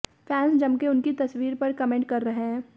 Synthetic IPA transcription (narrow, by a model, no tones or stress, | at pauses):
fʰɛːnsd͡ʒɐbkeʊnkit̪ɐswiːɾpɐɾkɐmẽɳʈ̚kɐɾːɐɦeɦɦɛ̃ː